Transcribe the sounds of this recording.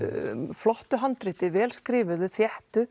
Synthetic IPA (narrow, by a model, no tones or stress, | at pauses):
flɔht̪ʏɦant̪ɾɪt̪ɪvɛːlskɾɪːvʏðʏθjɛht̪ʏ